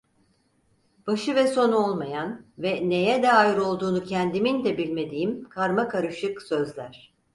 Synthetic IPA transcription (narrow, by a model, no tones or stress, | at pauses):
b̥aʃɯvɛso̞nuolˠmajanvɛne̞jɛd̪ɛajɯɾo̞lˠd̪uːnucʰɛnd̪imind̪ɛbilʲme̞d̪ijimkʰaɾmakaɾɯʃɯksø̞zlʲæɾ̥